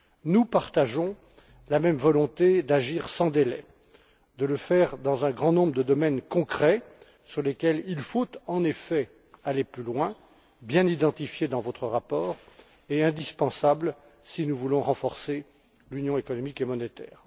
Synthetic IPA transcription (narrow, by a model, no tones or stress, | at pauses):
nupaʁt̪aʒɔ̃ | lamɛmvɔlɔ̃t̪ed̪aʒiʁsɑ̃d̪elɛ | d̪ələfɛʁd̪ɑ̃zɛ̃ɡʁɑ̃nɔ̃bʁəd̪əd̪ɔmɛnkɔ̃kχɛ | syʁlekʲɛlilfot̪ɑ̃nefɛ | aleplylwɛ̃ | bjɛ̃nid̪ɑ̃t̪ifjed̪ɑ̃vot̪χəʁapɔːʁ | eɛ̃d̪ispɑ̃sabl | sinuvulɔ̃ʁɑ̃fɔʁse | lynjɔ̃ekɔnɔmikemɔnet̪ɛːʁ